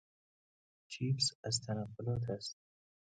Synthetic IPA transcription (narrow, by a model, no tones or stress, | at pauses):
t͡ʃʰiːfsæzt̪ʰanaqːʊlɔːt̪ʰast̪̚